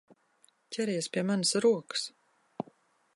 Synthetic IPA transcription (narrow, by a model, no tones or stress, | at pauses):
cʲʰɛɾiɛspʲiɛmansɾuɔkɨ̥s